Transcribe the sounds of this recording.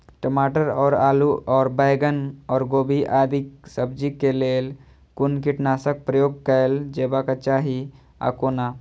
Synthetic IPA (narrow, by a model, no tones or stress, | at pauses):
ʈəmaːʈəɾɔːɾaːluʔɔːɾbajɡənɔːɾɡoːbiʔaːd̪ʱiksəb̚d͡ʒikeleːl | kʊnkiʈnaːsək̚pɾəjoːɡ̚kəeld͡ʒeːbakat͡ʃaːɦi | a̰koːna